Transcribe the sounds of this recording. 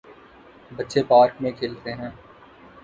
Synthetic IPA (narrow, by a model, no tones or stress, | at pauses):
bɐtːʃepaːɾkmẽkʰɪːlt̪eɦɛ̃ː